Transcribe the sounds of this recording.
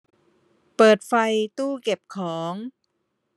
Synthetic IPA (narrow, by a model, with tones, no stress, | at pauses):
pɤː˨˩t̪̚fa˧jt̪uː˥˩ke˨˩p̚kʰɔː˩˦ŋ